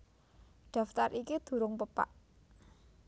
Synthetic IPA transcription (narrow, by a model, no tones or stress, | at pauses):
ɖ̪̥ä̤ft̪arʔikid̪̥ṳɾʊŋpəpa̰ʔ